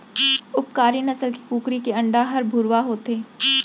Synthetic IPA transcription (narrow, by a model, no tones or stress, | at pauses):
ʊp̚kaːɾinɐsəlkikuːkɾikeɐ̃ɳɖaɦɐɾbʱʊɾwaɦoːt̪eː